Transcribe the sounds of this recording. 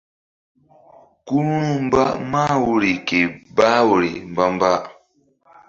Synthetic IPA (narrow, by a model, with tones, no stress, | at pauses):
ku˦ɾu˦ɾu˦m̩˦ba˦ma˦˨wu˦ɾi˨ke˨ba˦wu˨ɾi˨m̩˨ba˦m˦ba˦